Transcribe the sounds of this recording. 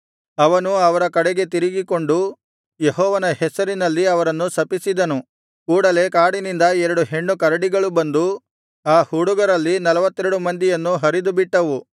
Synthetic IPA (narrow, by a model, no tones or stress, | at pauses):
ɐʋɐnuɐʋɐɾɐkɐɽeɡe̞t̪̬iɾiɡiko̞ɳɖu | jeɦɔːʋɐnɐhɛsɐɾinɐlːiɐʋɐɾɐnːusɐpisid̪ɐnu | kuːɽɐle̞kaːɽinind̪ɐɛɾɐɽuɦe̞ɳːukɐɾɐɽiɡɐɭubɐnd̪u | aːhuːɽuɡɐɾɐlːinɐlɐʋɐt̪ːɛɾɐɽumɐnd̪ijɐnːuɦɐɾid̪ubiʈːɐʋu